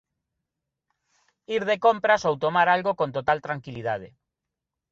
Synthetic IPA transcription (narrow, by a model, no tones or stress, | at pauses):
iɾðekompɾasowt̪omaɾalɣokont̪ot̪alt̪ɾaŋkiliðað̞e